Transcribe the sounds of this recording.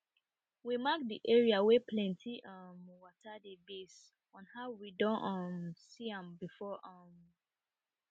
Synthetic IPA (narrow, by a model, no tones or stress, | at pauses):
wimak̚dḭʔɛɹiawepʰlɛ̃ntʰiʌmwɔtadebes | ɔ̃nhaʊwidɔ̃nʌmsiãmbifɔʔʌm